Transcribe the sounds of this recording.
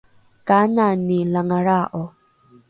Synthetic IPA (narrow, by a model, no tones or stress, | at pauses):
kananilaŋaɾaʔo